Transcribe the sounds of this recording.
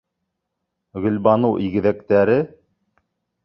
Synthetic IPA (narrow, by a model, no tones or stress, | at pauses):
ɣɵ̆lbɑnɤwʔiɣɘ̆ðækt̪æɾɘ